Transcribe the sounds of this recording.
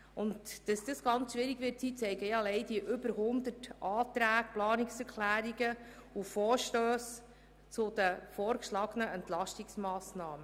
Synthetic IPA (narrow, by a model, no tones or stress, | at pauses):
ʊntd̥ɑsd̥əsɡ̥ɑnt͡sʃʋɪɾiɡʋɪtsit͡sɛɪɡəjɑlɛɪdiʔʏbəɾɦʊnd̪ətʔɑːt̪ɾæːkplɑːnɪksɛɾkʰlæːɾiɡə | ufɔːɾʃtøːs | t͡sʊd̪əfɔːɾkʃlɑːɡ̥ənəɛnt̪lɑʃtiksmɑːsnɑːmə